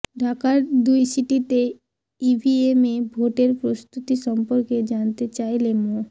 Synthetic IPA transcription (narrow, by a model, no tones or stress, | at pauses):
ɖʱakaɾd̪ujsiʈit̪e | ibʱiemebʱoʈeɾpɾost̪ut̪iʃɔmpoɾked͡ʑant̪et͡ɕajlemo